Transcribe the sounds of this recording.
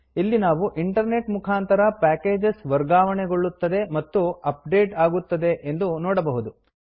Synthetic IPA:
ilːinaːʋuʔiɳʈɐɾne̞ʈmukʰaːnt̪ɐɾɐpæːke̞ːd͡ʒesʋɐɾɡaːʋɐɳeɡoɭːut̪ːɐd̪e̞mɐt̪ːuɐp̚ɖe̞ːʈaːɡut̪ːɐd̪e̞ʔend̪unɔːɽɐbɐɦud̪u

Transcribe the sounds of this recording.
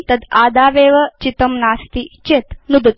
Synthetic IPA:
t̪ɐd̪aːd̪aːʋeːʋɐt͡ʃit̪ɐmnaːst̪it͡ʃet̪nud̪ɐt̪

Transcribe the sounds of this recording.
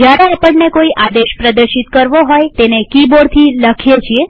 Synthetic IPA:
d͡ʒjaɾeepəɳnekoiʔad̪eʃpɾəd̪əɾʃit̪kəɾʋoɦojt̪enekiboɽt̪ʰiləkʰjet͡ʃʰie

